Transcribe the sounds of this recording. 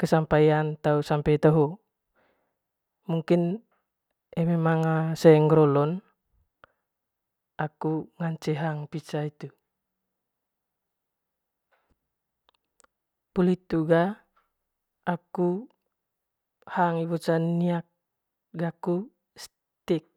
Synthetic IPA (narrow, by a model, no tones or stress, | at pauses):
kəsampajant̪ausampɛit̪əɦu | muŋkin | ɛmemaŋasɛŋɡɾɔlɔn | akuŋaɲt͡ʃɛɦaŋpit͡ʃait̪u | pulit̪uɡa | ku | haŋibɔt͡ʃaniak̚ | ɡaku | s | t̪ik̚